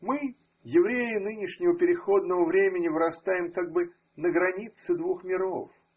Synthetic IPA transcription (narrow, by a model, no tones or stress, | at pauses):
mɨ | jɪvɾʲejɪnɨnʲɪʂnʲɪvəpʲɪɾʲɪxo̞d̪nəvəvɾʲemʲɪnʲɪvɨɾɐst̪ajɪmkaɡ̚bɨ | nəɡɾɐnʲit̪sɨd̪vuxmʲɪɾo̞̰f